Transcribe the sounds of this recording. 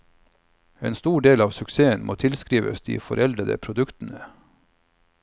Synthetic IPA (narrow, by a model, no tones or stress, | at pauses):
ḛːnst̪uːɖeːlɑːʋsʉkseːənmʔo̰ːt̪ʰɪlskɾiːʋə̰sd̪ḭːfɔɾʔɛld̪ɾəd̪ə̰pʰɾʊd̪ʉkt̪n̩ə